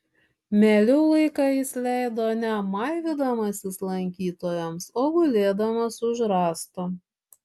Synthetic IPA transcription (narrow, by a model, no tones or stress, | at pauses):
mʲɛlʲɛʊlˠɐɪkɑɪsʲlʲæˑɪd̪oːnʲɛmɑˑɪʋʲɪd̪ɐmɐsʲɪslˠɐŋʲkʲiːt̪oːjɛmsoːɡʊlʲeːd̪ɐmɐsʊʒɾɑːst̪ʊ